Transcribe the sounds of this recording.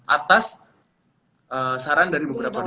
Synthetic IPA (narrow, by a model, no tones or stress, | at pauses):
ʔat̪as | ʔəsaɾandaɾibəbəɾapan